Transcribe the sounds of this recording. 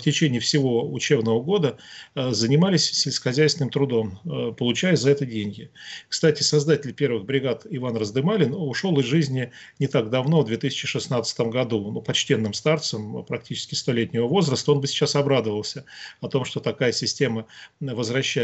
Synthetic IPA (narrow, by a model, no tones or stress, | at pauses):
ftʲɪt͡ɕenʲɪːfsʲɪvo̞ʊ̰t͡ɕe̞bnəvəɡo̞d̪əzənʲɪmalʲɪsʲsʲɪlʲsʲkə̥xɐzʲæjsʲɪnɨmt̪ɾʊd̪o̞mpəlˠʊt͡ɕæjʊzɐɛt̪ədʲenʲɡʲɪkst̪atʲɪsɐzd̪atʲɪlʲpʲe̞rvɨɣbɾʲɪɡat̪ɪvanrəzd̪ɨmalʲɪnʊʂo̞lˠɨzʐɨzʲnʲɪ | nʲɪt̪aɡd̪ɐvno̞vd̪vʲet̪ɨsʲɪ̥t͡ɕɪʂɨsnat̪sə̥t̪əmɡɐd̪unupɐt͡ɕtʲe̞nːɨmst̪art̪səmpɾɐk̚tʲit͡ɕɪ̥skʲɪ̥st̪o̞lʲetʲnʲɪvəvo̞zɾəst̪əo̞nbɨsʲɪ̥t͡ɕasɐbɾad̪əvəlˠsʲəɐt̪o̞mʂt̪ot̪ɐkajəsʲɪsʲtʲeməvəzvɾɐɕːæ